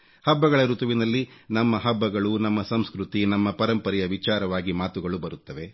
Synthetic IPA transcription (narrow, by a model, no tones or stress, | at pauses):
hɐbːɐɡɐɭɐɾut̪ɐʋinɐlːinɐmːɐɦɐbːɐɡɐɭunɐmːɐsɐmskɾut̪inɐmːɐpɐɾɐmpɐɾɛjɐʋit͡ʃaːɾɐʋaːɡimaːt̪uɡɐɭubɐɾut̪ːɐʋe̞